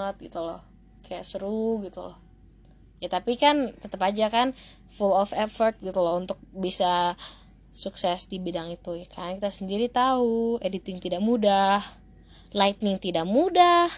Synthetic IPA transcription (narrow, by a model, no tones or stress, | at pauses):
ət̪̚ɡit̪ulɔ̰h | kʰaja̰ʔsəɾuɡit̪ulɔ̰h | jat̪apikant̪ət̪əpad͡ʒakan | fulɔfɛfɔrt̪̚ɡit̪ulɔunt̪ʊk̚bisa | suksɛsdibidaŋit̪ujakankit̪asəndiɾit̪auedit̪ɪŋt̪idaʔmudah | lajt̪nɪŋt̪idakmudah